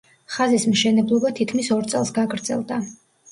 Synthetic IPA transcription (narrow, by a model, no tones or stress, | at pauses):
χazismʃɛnɛblˠɔbat̪ʰit̪̚kʰmisɔɾt̪sʼɛ̰lˠsɡaɡɾd̪zɛ̰lˠd̪a